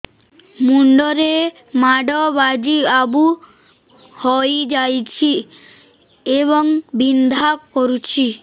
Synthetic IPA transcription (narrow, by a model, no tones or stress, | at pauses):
muɳɖɔɾe | maɖɔbad͡ʒiabu | hɔjd͡ʒajt͡ʃʰi | eβɔŋbind̪ʱakoɾut͡ʃʰi